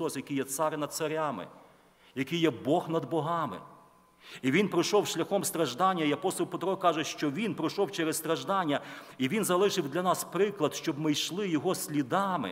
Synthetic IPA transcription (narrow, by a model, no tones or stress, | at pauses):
ɔsjɐkɪjɛt̪sɑɾɪnɐd̪̚sɐɾʲɑmɪ̰ | jɐkɪjɛbɔxnɐd̪bɔɦɑmɪ̰ | iʋʲinpɾɪjʃɔwʃlʲɐxɔmst̪ɾɐʒd̪ɑnʲːɐiɐpɔst̪ɔlˠpet̪ɾɔkɑʒɛʃt͡ʃɔʋʲinpɾɔʃɔwt͡ʃɛɾɛsst̪ɾɐʒd̪ɑnʲːɐiʋʲinzɐlˠɪʃɪwd̪lʲɐnɑspɾɪklˠɐd̪ʃt͡ʃɔbmɪjʃlˠɪjɔɦɔsʲlʲid̪ɑmɪ̰